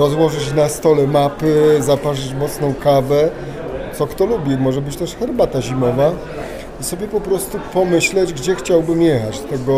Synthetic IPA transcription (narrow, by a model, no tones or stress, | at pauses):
ɾɔzwɔʐɘt͡ɕnast̪ɔlɛmapɘzapaʐɘt͡ɕmɔt̪snɔ̃w̃kavɛ | t̪sɔkt̪ɔlubʲimɔʐɛbɘt͡ɕt̪ɛʂxɛɾbat̪aʑimɔva | isɔbʲjɛpɔpɾɔst̪upɔmɘɕlɛd͡ʑɡd͡ʑɛxt͡ɕawbɘmjɛxat͡ɕt̪ɛɡɔ